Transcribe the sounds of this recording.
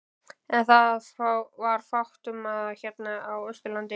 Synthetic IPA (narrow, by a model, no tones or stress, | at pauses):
ɛnθaðfɾawvaɾ̥fawht̪ʏmaðçɛt̪naːwœst̪ʏlant̪ɪ